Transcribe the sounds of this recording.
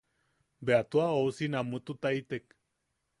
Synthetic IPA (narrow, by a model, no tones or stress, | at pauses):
beat̪uaousinamut̪ut̪ajt̪ek